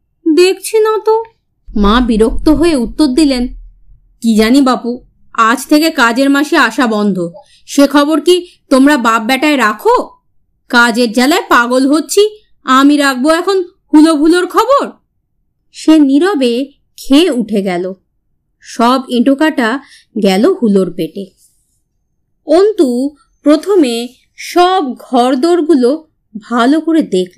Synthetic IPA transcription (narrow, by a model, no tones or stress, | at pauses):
d̪ek̚ʰt͡ɕʰinat̪o | mabiɾok̚t̪oɦoeut̪ːoɾd̪ilen | kid͡ʑanibapu | ad͡ʑt̪ʰekekad͡ʑeɾmaʃeaʃabɔnd̪ʱo | ʃekʰɔboɾki | t̪omɾababːɛʈaeɾakʰo | kad͡ʑeɾd͡ʑɛlaepaɡolɦotːɕʰi | amiɾak̚ʰboɛkʰon | hulobʱuloɾkʰɔboɾ | ʃeniɾɔbe | kʰeuʈʰeɡɛlo | ʃɔbeʈokaʈa | ɡɛlohuloɾpeʈe | ont̪u | pɾot̪ʰome | ʃɔbɡʱɔɾd̪oɾɡulo | bʱalokoɾed̪ekʰ